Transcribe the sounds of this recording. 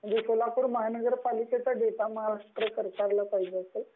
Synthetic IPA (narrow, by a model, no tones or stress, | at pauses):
m̤əɳd͡zesolapuːɾməɦanəɡəɾpaliket͡saɖet̪aməɦaɾaʂʈɾəkəɾkaɾlapaɦid͡zeəsel